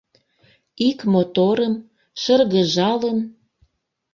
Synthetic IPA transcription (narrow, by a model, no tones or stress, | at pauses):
ikmot̪oɾəm | ʃə̆rɣə̆ʒɑlən